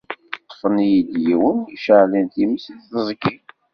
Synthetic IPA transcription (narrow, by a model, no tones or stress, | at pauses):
q̪ːə̥fənijid̪jiwəniʃəʕlænt̪iməsd̪θəzˤəkːin